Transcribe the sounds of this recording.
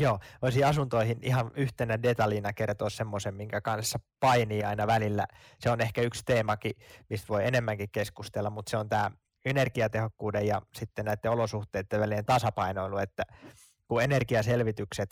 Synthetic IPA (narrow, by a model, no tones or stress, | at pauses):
joːoisiɑsunt̪oihinihɑnyht̪enædet̪ɑliːnɑkert̪oːssemːosemmiŋkækɑnssːɑpɑiniːɑinɑʋælilːæ | seonehkæykst̪eːmɑkimist̪ʋoienemːæŋkikkeskust̪elːɑmmut̪seont̪æː | enerkiɑt̪ehokːuːdejjɑsit̪ːennæit̪ːeolosuht̪eˑit̪ːeʋælieːnt̪ɑsɑpɑinoilːuet̪ːæ | kuenerkiɑselʋit̪ykset̪